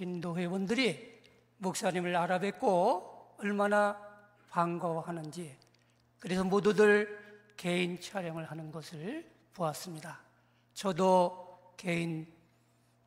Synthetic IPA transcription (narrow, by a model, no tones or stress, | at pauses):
t͡ɕindoɦe̞wʌndɯɾi | muk̚s͈aɲimɯɾaɾabe̞k͈oʌɭmana | paŋɡʌhanɯnd͡ʑi | kɯɾe̞sʰʌmodudɯɭ | ke̞int͡ɕʰaɾjʌŋɯɭhanɯnɡʌsʰɯɭ | poas͈ɯmɲida | t͡ɕʌdo | kein